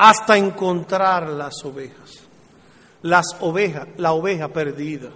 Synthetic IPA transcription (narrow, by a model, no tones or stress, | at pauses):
ast̪aeŋko̞nt̪ɾaɾlaso̞βehas | lasoβehalaoβe̞hape̞ɾðiða